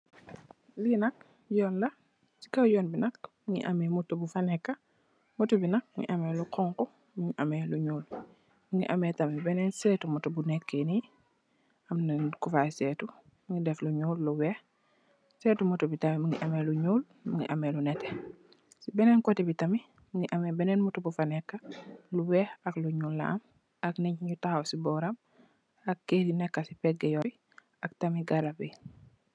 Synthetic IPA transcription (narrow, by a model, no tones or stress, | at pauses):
linɐk̚ | jɔːnlɐ | si̥kɐwjɔːnbinɐk̚miŋḭʔamɛmutobufanɛkːɐ | mutubinɐk̚miŋḭʔamɛluqʰɔŋkɔ | miŋiʔamɛluɲuːl | miŋḭʔa̰mɛːtɐmibɛnɛnsɛːtumutɔbunɛkːeni | ɐmnɛnkufasɛːtu | miŋidɛfluɲuːlluwɛ | setumutubitamimuŋiʔameluɲuːl | muŋḭʔamelunɛte | sibɛnɛnkotibitami | muŋiʔamebɛnɛnmutubufanekːaluwɛhakluɲulːa̰m | akniɲɲutahawsibɔɾam | akːedinɛkːasipɛɡejoi | aktamiɡaɾabi